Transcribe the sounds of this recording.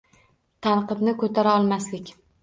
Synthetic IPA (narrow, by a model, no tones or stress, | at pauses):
t̪ʰanqɨbnɪkʰɵt̪ʰaɾaɒlˠmaslɪkʲ